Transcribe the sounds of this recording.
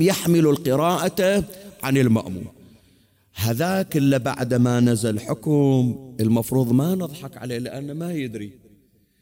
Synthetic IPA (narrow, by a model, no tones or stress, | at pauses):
jaħmɪlulqɨɾɑːʔaaʕanɪlma̰ʔmṵːn | haðaːkɪlːaba̰ʕd̪manazalħʊkmʔəlmɑfɾuːðˤmanɨðˤħɑkʕa̰leːlɪʔanːamajɪd̪ɾi